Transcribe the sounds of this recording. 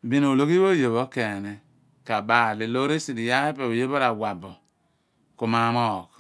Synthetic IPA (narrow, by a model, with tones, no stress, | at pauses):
bi˦no˨o˨lo˦ki˦o˦jo˨βo˦ke˨ni˨ | ka˨ba˨li˨lo˦ɾi˦si˨di˨ja˦he˦pe˨o˨je˦bo˦ɾa˨wa˨bo˨ | ku˨ma˦mo˦˨k